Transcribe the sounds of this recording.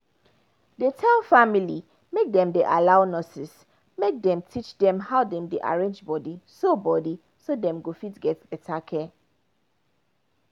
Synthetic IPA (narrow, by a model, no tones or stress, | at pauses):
detʰafamili | mek̚dɛ̃mdeʔalaʊnɔsis | mek̚dɛ̃mtʰit͡ʃdɛ̃mhaʊdɛ̃mdeʔa̰ɹẽnd͡ʒbɔdisobɔdi | sodɛ̃mɡofitɡɛtbɛtʰakʰɛ